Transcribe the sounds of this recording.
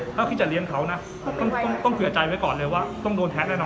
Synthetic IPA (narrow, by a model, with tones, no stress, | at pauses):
laː˦˥kʰi˦˥˩t̚t͡ɕa˨˩li˧˥ənkʰa˦˥wna˦˥ | t̪ɔ˥˩ŋt̪ɔ˥˩ŋt̪ɔ˥˩ŋkʰɯ˨˩˦t͡ɕa˧jwa˦˥jkɔː˨˩nlɤː˧jwaː˥˩t̪ɔ˥˩ŋdoː˧nt̪ʰɛ˦˥naː˥˩nɔ˦˧